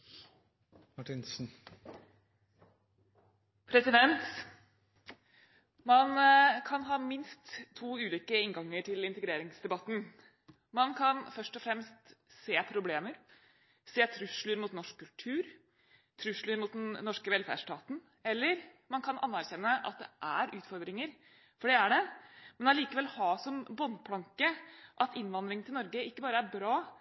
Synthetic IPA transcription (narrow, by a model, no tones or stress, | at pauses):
mɑʈɪnsn̩ | pʰɾɛsɪd̪ɛnt̪ | mɑnkʰɑnɦɑːmɪnst̪ʰːuːʉːliːkəɪŋɡɑŋːəʈʰɪlɪnt̪əɡɾeːɾɪŋsd̪ɛbɑt̪n̩ | mɑnkʰɑnfœʂʈɔfɾɛmst̪seːpʰɾʊbleːməɾ | seːt̪ʰɾʉʂlʉɾmʊt̪nɔʂkʰːʉlʈʰʉːɾ | t̪ʰɾʉʂlʉɾmʊt̪d̪ɛnnɔʂkəʋɛlfæ̰ʂʈɑːt̪n̩ | ɛlːəɾ | mɑnkʰɑnʔɑ̰nːæɾçɛnːəʔɑ̰t̪̚d̪ɛʔæɾʉːt̪fɔɾd̪ɾɪŋəɾ | fɔɖɛæɖɛmɛnɑliːkəʋɛlːhɑːsɔmbɔnpʰlɑŋkəʔɑt̪ɪnːʋɑnd̪ɾɪŋnɪlnɔɾɡəɪkːəbɑːɾəæɾbɾɑː